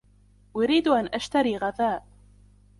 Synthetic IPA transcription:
wʊɾiːd̪ʔanʔaʃt̪aɾiːɣaðaːʔ

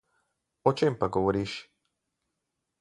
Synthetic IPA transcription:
ot͡ʃempaɡoʋoɾiːʃ

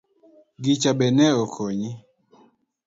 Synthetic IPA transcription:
ɡit͡ʃabɛnɛokʰoɲi

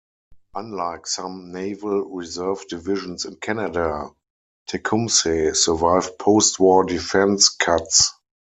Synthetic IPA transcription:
ʔãnlaɪksãmneɪvəlɹizɜ˞vdɪvɪʒə̃nsɪ̃nkʰænada | tʰɛkʰũmsesə˞vaɪvpʰoʊstwɔdifɛ̃nskʰats

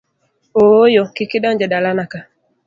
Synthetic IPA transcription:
oːjokikiɗɔnd͡ʒɛɗalanaka

